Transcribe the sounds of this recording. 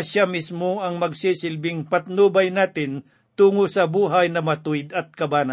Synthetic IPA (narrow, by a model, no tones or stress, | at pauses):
ʃamismoɐŋmɐɡsisɪlbɪŋpɐt̪̚nuːbɐjnaːt̪ɪn | t̪uːŋosɐbuːɦɐjnɐmɐt̪ujd̪ɐt̪̚kɐbaːna